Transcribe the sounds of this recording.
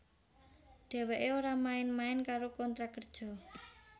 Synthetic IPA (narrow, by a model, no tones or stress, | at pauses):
ɖ̪̥ɛ̤wɛʔeoɾamaɪnmaɪnkaɾokɔnt̪ɾakərd̥ʒ̥ɔ̤